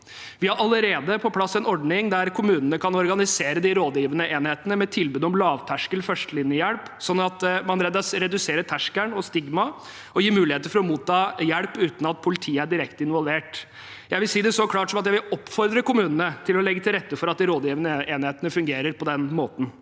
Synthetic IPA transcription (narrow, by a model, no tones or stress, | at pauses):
ʋɪhɑɾʔɑləɾeːd̪əpʰɔpʰlɑsːɛnɔɖɳɪŋd̪æɾkʰʊmʉːnənəkʰɑnɔɾɡɑnɪseːɾəd̪ɪɾoːd̪jiːʋənəʔeːnheːt̪ənəmɛt̪ʰɪlbʉːd̪əɔmlɑːʋt̪ʰæʂkəlfœʂʈəlɪnjəjælpsɔnːɑt̪mɑnɾeːd̪ɑsɾɛd̪ʉseːɾət̪ʰæʂkæɳɔst̪ɪɡmɑ | ɔjiːmʉːlɪeːt̪əɾfɔɾɔmuːt̪ʰːɑːjæɽpʉːt̪n̩ɑt̪̚pʰʊlɪt̪ʰiːəæɖɪɾɛkt̪əɪnʋɔlʋeːʈ | jæɪʋɪlsiːd̪ɛsɔkʰlɑːʈsɔmɑt̪jæɪʋɪlɔpːfɔɾd̪ɾəkʊmʉːnənət̪ʰɪlɔlɛɡːət̪ʰɪlɾɛt̪ːəfɔɾɑt̪̚d̪ɪɾoːd̪jiːʋənəʔeːnheːt̪ənəfʉŋɡeːɾəɾpʰɔd̪ɛnmoːt̪n̩